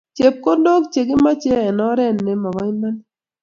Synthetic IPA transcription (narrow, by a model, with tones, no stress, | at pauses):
t͡ʃe˨p̚ko˦ndo˦kt͡ʃe˨ɡɪ˦ma˦t͡ʃe˦ɛ˨nɔ˨˦ɾɛ˦˨nːe˨ma˨wa˦ɪ˦nma˦n